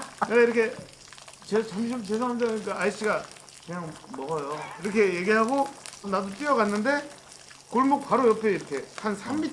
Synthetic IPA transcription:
aiɾʌkʰe̞ | t͡ɕet͡ɕamɕ̬ʰimt͡ɕesʰaɦamsʌik͈aais͈iɡa | kɯɲaŋmʌɣʌjoiɾʌkʰe̞je̞ɡiɦaɡonadot͈iʌɡanːɯnde̞ | koɭmuk̚paɾojʌpʰeiɾʌkʰe̞hansʰamːit

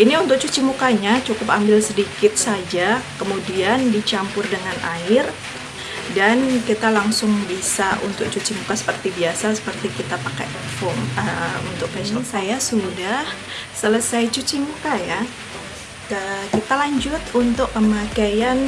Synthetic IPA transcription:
iniunt̪ʊk̚t͡ʃut͡ʃimukaɲat͡ʃukʊpa̰mbɪlsədikɪt̪̚sad͡ʒakəmudiandit͡ʃampʊrdəŋanʔaɪr | dankit̪alaŋsʊŋbisaʔṵnt̪ʊk̚t͡ʃut͡ʃimukasə̥pərt̪ibiasasə̥pərt̪ikit̪apakɛ̰ | fɔməunt̪ʊk̚pɛsɔnsajasudah | sələsajt͡ʃut͡ʃimukaja | əkit̪alaɲd͡ʒʊt̪unt̪ʊkːəmakajan

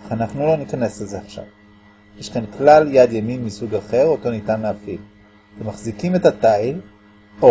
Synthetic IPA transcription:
aχanaχnulo̞nikane̞slezeaχʃa̰v | jeʃkanklaljad̪jaminmisuɡaχe̞ʁo̞to̞nitanleafil | vemaχzikimetatail | o

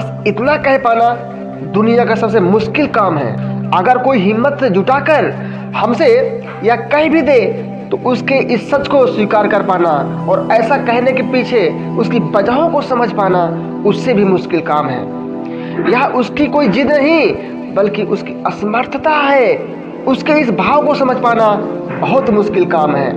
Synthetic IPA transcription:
bɐs | ɪt̪nakɐɦepaːna | d̪ʊnijakasɐbs̬emʊʃkɪlkaːmɦɛ̰ːəɡəɾkoːiɦɪmːət̪sed͡ʒʱʊʈaːkəɾ | hɐmse | jakɐɦĩbʱid̪eː | t̪oʔʊskeʔɪsːɐt͡ʃkoswiːkaːɾkəɾpaːnaɔːɾɛːsakɛɦnekepiːt͡ʃʰe | ʊskibɐd͡ʒaɦõkosɐməd͡ʒʱpaːna | ʊsːebʱimʊʃkɪlkaːmɦɛ̰ː | jəɦʔʊskikoːid͡ʒɪd̪nəɦĩ | bəlkiʔʊskiəsməɾt̪ʰət̪aɦɛ | ʊskeɪsbʱaːʋkosɐməd͡ʒʱpaːnabɐɦʊt̪mʊʃkɪlkaːmɦɛ̰ː

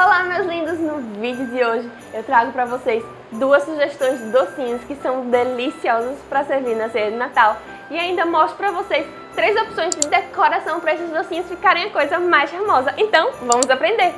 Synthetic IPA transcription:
alamezlĩnd̪ɐznʊvid͡ʒʊd̪ɪoʒɪ | ewt̪ɾaɡʊpɾɐvosejs | d̪uɐsːuʒest̪õj̃zd͡ʒɪd̪osĩɲʊskɪsɐ̃w̃d̪elisiɔzɐspɾɐseɾviɾnɐseɾd̪ɪnat̪aw | ɪaĩnd̪ɐmɔst̪ɾʊpɾɐvosejs | t̪ɾejzopsõj̃zd͡ʒɪd̪ekoɾasɐ̃w̃pɾɐesɪzd̪osĩɲʊsfikaɾẽj̃ɐkojzɐmajsfamɔzɐʔẽnt̪ɐ̃w̃vɐ̃mʊzapɾẽnd̪eɾ

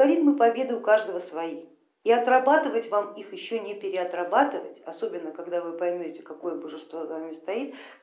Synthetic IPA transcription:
ɐɾʲit̪mɨpɐbʲe̞d̪ɨʊkaʐd̪əvəsvɐi | iɐt̪rɐbat̪ɨvətʲvamixjɪɕːonʲɪpʲɪɾʲɪɐt̪rɐbat̪ɨvə̰tʲɐso̞bʲɪnːəkɐɡd̪avɨpɐjmʲotʲɪkɐko̞jəbəʐɨst̪vo̞zvamʲɪst̪ɐit̪̚

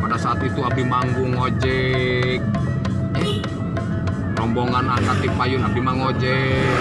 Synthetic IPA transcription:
padasaːt̪it̪uabihmaŋɡuŋod͡ʒɛk̚ | ɛ | rɔmbɔŋanakat̪ipajunabimaŋod͡ʒɛ

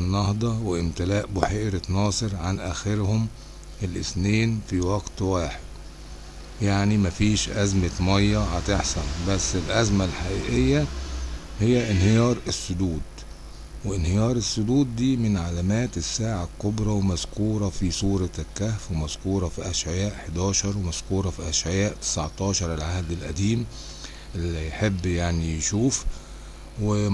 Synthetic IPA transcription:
nːɑhd̪ˤɑweʔɪmt̪ɪlæːʔboħeʔɾet̪nɑːsˤɨɾʕanʔæːxeɾhʊm | ʔelʔɪ̰sneːnfiwɑɡt̪waːħed̪ | jaʕnimæfiːʃʔæzmemɑjːɑhat̪eħsænbæsːelʔæzmælħaʔiːʔejːæ | hejːæʔɪnhejɑːɾˤesːʊd̪uːd̪ | weʔɪnhejɑːɾˤesːʊd̪uːd̪ːiːmɪnʕalæmæːt̪esːaːʕalkobɾˤɑwemæzkuːɾˤɑfisˤuːɾˤɑlkæhfwemæzkuːɾˤɑfiʔæʃʕejæːʔħed̪æːʃɑɾˤwemæz̥kuːɾˤɑfiʔæʃʕejaːʔt̪ɪ̥saʕt̪ˤɑːʃɑɾˤelʕahd̪ɪlʔæd̪iːm | ʔelːijħebːjaʕnijeʃuːf | we

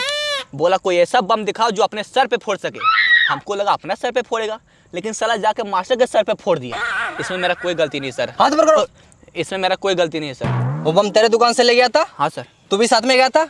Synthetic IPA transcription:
boːlakoːiɛːsabɐmd̪ɪkʰaːod͡ʒoːɐpnesɐɾpepʰoːɽsɐkeːhɐmkolɐɡaɐpnasɐɾpepʰoːɽeːɡaː | leːkɪnsɐlad͡ʒaːkemaːʃakesɐɾpepʰoːɽd̪ija̰ːɪsmẽmeːɾakoːiɡɐlt̪inɐɦĩsɐɾɦãːt̪obəɾkəɽoo | ɪsmẽmeːɾakoːiɡɐlt̪̬inɐɦĩsɐ̰ɾobɐmt̪eːɾed̪ʊkaːnsẽleːɡjat̪ʰaːɦãːsɐɾ | t̪ubʱisaːt̪ʰmẽɡɐjat̪ʰaː

